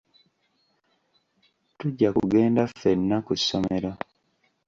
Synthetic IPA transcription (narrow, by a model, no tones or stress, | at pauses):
tuɟːakṵɡe̞ːndafe̞nːakusome̞ɾo